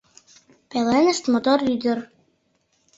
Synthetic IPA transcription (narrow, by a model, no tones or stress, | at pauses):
pelenə̆ʃt̪mot̪oɾyd̪ə̆ɾ